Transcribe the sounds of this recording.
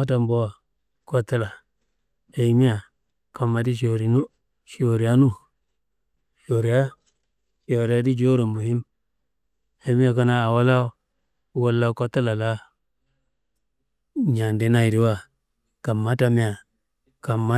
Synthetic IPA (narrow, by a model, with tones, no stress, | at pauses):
a˦ta˨mbo˦wa˨ | ko˦tːa˦la˨ | he˨˦mi˦a˨ | ka˨mːa˨di˦ʃ̬o˨ɾi˨nu˦ | ʃi˨o˨ɾi˨ja˦nu˦ | ʃo˨ɾi˨ja˦ | ʃi˨o˨ɾi˨ja˦di˦d͡ʒo˦ɾo˨mu˨hi˦m | he˨˦mi˦a˨ka˦naː˦˨wa˦la˦ | wa˦lːa˦ko˦tːa˦la˨la˦ | ɲa˨nde˨˦na˦i˨ɾi˨˦wa˦˨ | ka˨mːa˦ta˨mi˦ja˨ | ka˨mːa˦